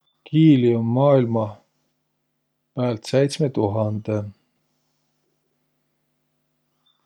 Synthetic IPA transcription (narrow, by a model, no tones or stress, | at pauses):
kʰiːliomːɑːilmɑ | pæːlt̪sejt̪smet̪uɦɑnd̪̥e